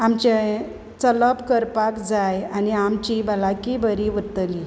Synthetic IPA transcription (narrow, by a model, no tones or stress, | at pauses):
amt͡ɕe | t͡sələpkəɾpakd͡zajaniamt͡ɕibalakibəɾiʋət̪əli